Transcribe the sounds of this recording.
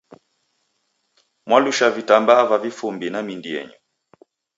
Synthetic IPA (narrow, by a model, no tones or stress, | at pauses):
mwaluʃavitambavavifumbinamindiɛ̰ɲɔ